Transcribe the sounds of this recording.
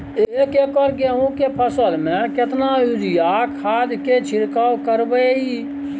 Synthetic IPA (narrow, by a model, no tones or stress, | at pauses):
eekekɔɾɡeɦũkepʰəsəlmẽket̪naud͡ʒijakʰaːd̪ket͡ʃʰiɾkawkəɾbəi